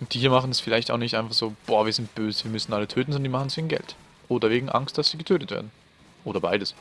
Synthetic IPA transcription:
ʊntd̥ihiɐmaχn̩ɛsfɪlaɪçtaʊxnɪçtʔaɪnfaχz̥oːb̥ɔːɐviːɐzɪnt̚b̥øːzəviːɐmʏsn̩ʔalətʰøːtn̩ɔndəndiːmaχn̩sveːɡŋn̩ɡɛ̰lt | ʔoːdɐveːɡŋ̩ʔa̰ŋstd̥asv̥iːɐɡətʰøːtətvḛɐdn̩ | ʔoːɾɐbaɪdəs

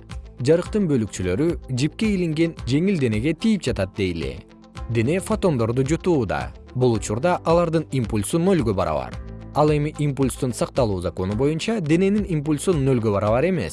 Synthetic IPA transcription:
d͡ʒɑɾɯqt̪ɯnbø̞lykt͡ʃylø̞ɾyd͡ʒip̚ke̞iliŋɡe̞nd͡ʒe̞ŋild̪e̞ne̞ɡe̞t̪ijip̚d͡ʒɑt̪ɑt̪̚d̪e̞jlḛ | d̪e̞ne̞fot̪o̞nd̪o̞ɾd̪ud͡ʒut̪uːd̪ɑ̰ | bulˠut͡ʃuɾd̪ɑʔɑlˠɑɾd̪ɯnimpulʲsunø̞lɡø̞bɑɾɑ̰βɑ̰ɾɑlˠe̞miʔimpulʲst̪unsɑq̚t̪ɑlˠuːzako̞nubo̞junt͡ʃɑd̪e̞ne̞ninimpulʲsunø̞lɡø̞βɑɾɑβɑɾe̞me̞̰s

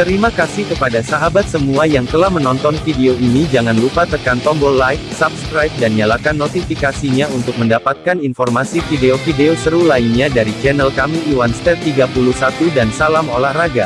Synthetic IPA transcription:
t̪əɾimakasɪhkəpadasaɦabat̪̚səmuajaŋt̪əlahmənɔnt̪ɔnfideoinid͡ʒaŋanlupat̪əkant̪ɔmbɔlajfsap̚skɾajp̚danjalakanːot̪ifikasiɲaunt̪ʊk̚məndapat̪̚kaninfɔrmasifideofideosəɾulainɲadaɾit͡ʃɛnəlkamiiwanst̪ɛrt̪iɡapuluhsat̪udansalamolahraɡa

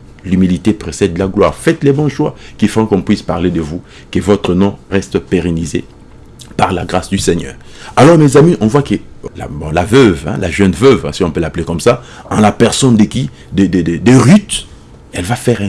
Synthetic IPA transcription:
lymilit̪epχesɛd̪laɡlwa̰ːʁfɛt̪lɛbɔ̃ʃwa̰kifɔ̃kɔ̃pɥispaʁled̪əvu | kəvɔt̪χənɔ̃ʁɛst̪peʁenizḛ | paʁlaɡʁasd̪ysɛɲœ̰ːʁ | alɔʁmɛzamiʔɔ̃vwakəla̰bɔ̃lavœvɛ̰̃lʔa̰ʒɛnvœvɛ̰̃siɔ̃pølaplekɔmsa | ɑ̃lapɛʁsɔnd̪əkʲi | d̪ɛd̪ɛd̪d̪ɛʁyt̪ | ɛlvafɛʁɛ̃

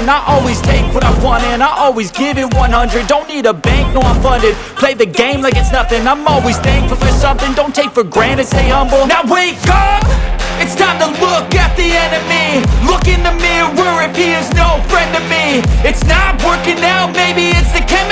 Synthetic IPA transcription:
naɪʔɔlˠwiz̥tʰeɪkwʌɾaɪwɑ̃ɾ̃ɨɨ̃naɪʔɔlˠwizɡɪvɨt̚wʌ̃nhʌ̃ndɹɨd̚dõʊ̃nːiɾəbæ̃ŋk̚nə˞ãɱfʌ̃ndɨd̚pʰl̥eɪðɨɡẽɪ̃mlaɪkɨtsnʌθɪ̃ŋãɪ̃mɔlˠwiz̥tʰeɪɪ̃ŋfəl̩ˠfə˞sʌ̃mθɪ̃ŋdõʊ̃ntʰeɪkfə˞ɡɹæ̃ñɨtseɪʌ̃mbl̩ˠnaʊweɪpɨtsnəəlʊkɨt̪̚ðiɛ̃ndʌvmilʊkɪ̃ŋðɨmiwə˞ɨpʰiɨznoʊfɹɛ̃ndʌvmiɨtsnət̚wɜ˞kɪ̃ŋnaʊmeɪbiɪtsðɨkʰɛm

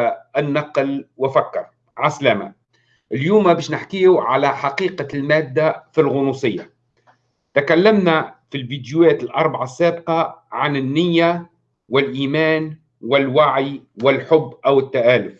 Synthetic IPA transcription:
ʔɪnːɑqlwɪfakːɑɾˤ | ʕaslama̰ | ʔɪljuːmːabeːʃnɪħkiːuʕalaħaqiːqalmæːd̪ːafilɣʊnuːsˤɪjːa | t̪akalːamnafilvid̪juæːt̪ɪlʔɑɾˤbaʕasːaːbqɑʕanɪnːɪjːa | wɪlʔiːmæːn | wɪlwaʕjwɪlħʊbːʔawɪt̪ːaʔaːlʊf

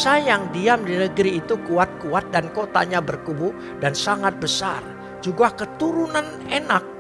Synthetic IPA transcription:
sajaŋdiamdinəɡɾiːt̪ukuat̪̚kuat̪̚dankot̪a̰ɲabərkubu | dansaŋat̪̚bəsa̰r | d͡ʒuɡahkət̪uɾunan | enak̚

